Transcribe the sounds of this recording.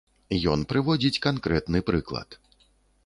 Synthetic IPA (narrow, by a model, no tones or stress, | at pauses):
jɔnpɾɨvɔd͡zʲit͡sʲkankɾɛt̪nɨpɾɨklˠɐ̰t̪